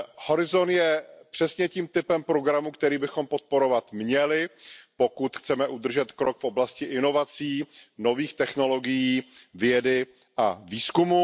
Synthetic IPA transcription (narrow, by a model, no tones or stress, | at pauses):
ho̞ɾɪzo̞njɛpr̝̥ɛsɲɛciːmt̪ɪpɛmpɾo̞ɡɾamukt̪ɛɾiːbɪxo̞mpo̞t̪̚po̞ɾo̞vat̪mɲɛlɪpokut̪xt͡sɛmɛʔud̪r̩ʒɛt̪kɾokfʔo̞blascɪʔɪno̞vat͡siːno̞viːxt̪ɛxno̞lo̞ɡɪjiːvjɛdɪ | ʔaviːskumu